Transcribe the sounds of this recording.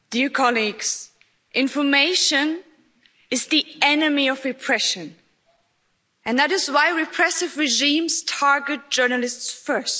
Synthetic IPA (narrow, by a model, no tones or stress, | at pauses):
d̥iɹkʰɑliɡz̥ | ʔɪ̃nfə˞meɪʃɨ̃n | ɨzðiɛnɨmiʌvɹɨpʰɹ̥ɛʃɨ̃n | ɨ̃nðæɾɨzwaɪɹɪpʰɹ̥ɛsɨvɹɪʒĩmz̥tʰɑɹɡɨt̚d̥ʒ̥ɜ˞nəl̩ˠɪstsfɜ˞st